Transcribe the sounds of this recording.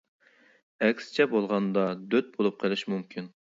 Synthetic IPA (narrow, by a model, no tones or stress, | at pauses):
ɛkʲsɪ̥t͡ʃʰɛbolˠʁɑnd̪ɑd̪øt̪̚bolˠup̚qʰəlˠɪʃmumkʲʰin